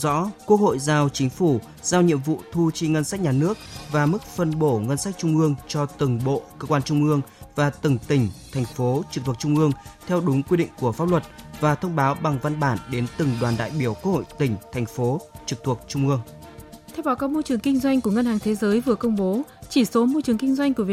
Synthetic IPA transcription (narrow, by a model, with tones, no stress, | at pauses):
zɔ̰˧˥kwu˦˥ək̚ho̰˧˨jzaː˧wt͡ɕï˨˦ŋ̟fu˧˩ | z̥aː˧wɲḭ˧˨əmvṵ˧˨t̪ʰu˧t͡ɕi˧ŋə˧nsa˦˥k̚ɲaː˨˩nɨ˦˥ək̚vaː˨˩mɨ˦˥k̚fə˧nɓo˧˩ŋə˧nsa˦˥k̟̚t͡ɕʊ˧ŋ͡mʔɨ˧əŋt͡ɕɔ˧t̪ɨ˨˩ŋɓo̰˧˨kəː˧kwaː˧nt͡ɕʊ˧ŋ͡mʔɨ˧əŋvaː˨˩t̪ɨ˨˩ŋt̪ï˧˩ŋ̟t̪ʰŋ̟fo˨˦t͡ɕɨ˨˩k̚t̪ʰu˨˩k̚t͡ɕʊ˧ŋ͡mʔɨ˧əŋt̪ʰɛ˧wɗʊ˨˦ŋ͡mkwi˧ɗḭ̈˧˨ŋ̟ku˧˩əfaː˦˥p̚lwə˨˩t̚vaː˨˩t̪ʰə˧wŋ͡mɓaː˨˦wɓa˨˩ŋva˧nɓaː˧˩nɗe˨˦nt̪ɨ˨˩ŋɗwaː˨˩nɗa̰ː˧˨jɓi˧˩əwkə˧ək̚ho̰˧˨jt̪ï˧˩ŋ̟t̪ʰɛ˨˩ŋ̟fo˨˦t͡ɕɨ˨˩k̚t̪ʰu˨˩ək̚t͡ɕʊ˧ŋ͡mʔɨ˧əŋ | t̪ʰɛ˧wɓaː˨˩kaː˨˦˥k̚mo˧jt͡ɕɨ˨˩əŋkï˧ŋ̟zwa˧jŋku˧˩əŋə˧nhaː˨˩ŋt̪ʰe˨˦zəː˨˦jvɨ˨˩əkə˧wŋ͡mɓo˨˦t͡ɕi˧˩so˨˦mo˧t͡ɕɨ˨˩əŋkï˧ŋ̟zwa˧jŋ̟ku˧˩əvi˨˩˨